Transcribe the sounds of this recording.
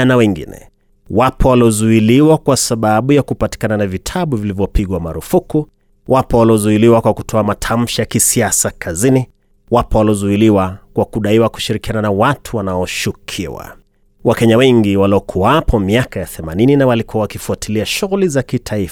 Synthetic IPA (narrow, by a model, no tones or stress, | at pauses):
nawɛŋɡḭnɛ̰ | wapʰɔwaliɔzuiliwakwasaɓaɓujakupati̥kananavitʰaɓuvilivjɔpiɠwamaɾufuku | wapɔwaliɔzuiliwakwakutʰɔamatʰam̩ʃajakisiasakʰazini | wapɔwaliɔzuiliwakwakuɗaiwaku̥ʃiɾikiananawatʰuwanaɔʃukʰḭwa̰ | wakɛɲawɛŋɡiwalɔkʰuapʰɔmiakajaθɛmanininawalikuawakifuatiliaʃuɣulizakitʰaif